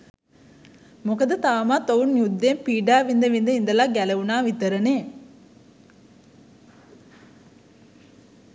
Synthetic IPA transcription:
mukɐd̪ɐt̪aːmaːt̪oʋunjud̪ːeːmpiːɖaːʋind̪ɐʋind̪ɐind̪ɐlaːɡɛlɐʋunaːʋit̪ɐɾɐneː

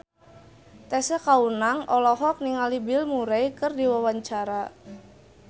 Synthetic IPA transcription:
t̪ɛsɛkaunaŋʔɔlɔɦɔk̚niŋalibilmuɾɛjkɨrdiwawaɲt͡ʃaɾa

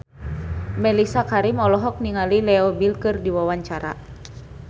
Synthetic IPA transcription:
mɛlisakaɾimɔlɔɦɔk̚niŋalilɛɔbilkɨrdiwawaɲt͡ʃaɾa̰

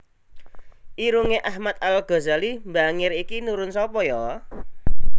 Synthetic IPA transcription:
ʔiɾuŋeʔahmat̪̚alɡ̥ɔ̤zalimbaŋɪɾikinuɾʊnsɔpɔjɔ

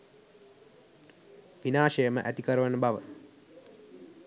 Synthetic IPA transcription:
ʋinaːʃejəməʔæt̪ikəɾəʋənəbaʋə̰

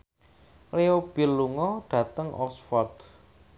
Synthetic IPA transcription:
leob̥i̤lːuŋɔɖ̥ä̤t̪əŋɔ̰sfɔrt̪

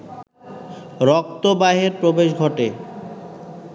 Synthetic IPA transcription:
ɾɔk̚t̪obaɦeɾpɾobeʃɡʱɔʈe

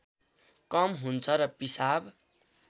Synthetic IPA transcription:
kʌmɦunt͡sʰʌɾʌpisab

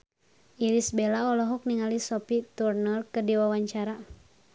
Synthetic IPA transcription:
iɾisbɛlaɔlɔɦɔk̚niŋalisɔpit̪urnərkədiwawaɲt͡ʃaɾa

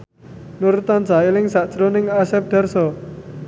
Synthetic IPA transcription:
nuɾut̪an̥d͡ʒa̤ɪlɪŋsaʔt͡ʃɾonɪŋasɛp̚d̪̥a̤rsɔ

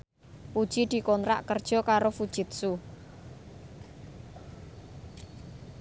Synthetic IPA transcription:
pud̥ʒ̥id̪̥i̤kɔnɾa̰ʔkərd̥ʒ̥ɔ̤kaɾofud̥ʒ̥ɪ̤t̪̚su

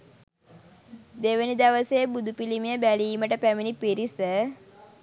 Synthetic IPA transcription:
d̪eʋənid̪aʋəseːbud̪upilimijəbæliːməʈəpæminipiɾisə

